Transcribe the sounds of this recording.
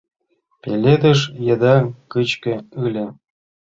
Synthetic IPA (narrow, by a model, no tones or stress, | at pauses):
pʲelʲed̪ə̆ʃjɤ̆d̪ɑkɯt͡ɕkʲɘ̆ɯlʲĕ